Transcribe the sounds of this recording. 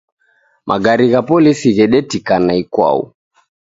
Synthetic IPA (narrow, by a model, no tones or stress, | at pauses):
mʔa̰ɡaɾiɣapɔlisiɣɛɗɛtikanaikwa̰ṵ